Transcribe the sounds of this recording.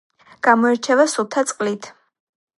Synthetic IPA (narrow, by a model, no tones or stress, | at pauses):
ɡ̥amɔɛɾt͡ʃʰɛvasut̪ʰat̪sʼqʼlit̪ʰ